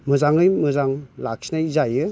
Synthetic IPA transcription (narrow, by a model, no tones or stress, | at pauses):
mɯzaŋɯjmɯzaŋlak̚sinajzajɯ